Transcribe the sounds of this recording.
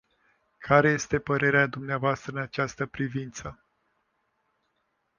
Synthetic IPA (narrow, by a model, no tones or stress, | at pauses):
kʰaɾe̞je̞st̪e̞pəɾe̞ɾead̪umneavoast̪ɾəɨnat͡ʃast̪əpɾivint̪sə